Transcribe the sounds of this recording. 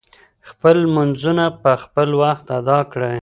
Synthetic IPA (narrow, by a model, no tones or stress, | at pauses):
xpəlmʊnzunapəxpəlwaxt̪ad̪ɑkɽe